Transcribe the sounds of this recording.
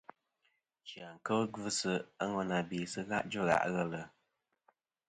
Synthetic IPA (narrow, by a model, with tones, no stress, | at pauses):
t͡ʃja˨ŋ̩˨kə˦ɡvɨ˦sɨ˨a˦ŋɔ˨na˨biː˨sɨ˦ɣa̰˦ʔd͡ʒɨ˦˨ɣa̰˦˨ʔɣɛ˦lə˨